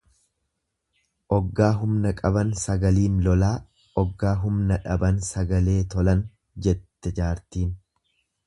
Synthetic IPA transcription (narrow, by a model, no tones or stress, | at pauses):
ʔɔɡːaːɦʊmnɐkʼɐbɐnsɐɡɐliːnlɔlaː | ʔɔɡːaːɦʊmnɐᶑɐbɐnsɐɡɐle̞ːt̪ɔlɐn | d͡ʒɛt̪ːɛd͡ʒaːɾt̪iːn